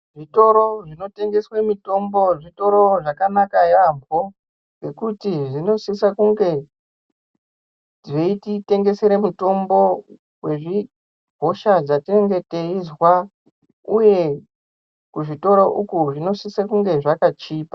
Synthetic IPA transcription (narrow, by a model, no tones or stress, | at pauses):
ʐito̞ɾo̞ʐino̞te̞ŋɡe̞swemito̞mbo̞ʐito̞ɾo̞ʐakanakajambʱo | ɡe̞kutiʐino̞sisakuŋɡe̞ | ʐeitite̞ŋɡe̞seɾemuto̞mbo̞ | we̞ʐi | ɦo̞ʃad͡zatireŋɡe̞teizwa | uje̞ | kuʐito̞ɾoʔukuʐino̞sisakuŋɡe̞ʐakat͡ʃiːpḁ